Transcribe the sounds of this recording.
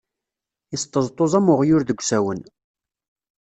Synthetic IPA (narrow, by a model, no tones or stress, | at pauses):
ist̪ˤːəzˤt̪ˤːozˤæmʊʁjʊɾðəɡʷsæwən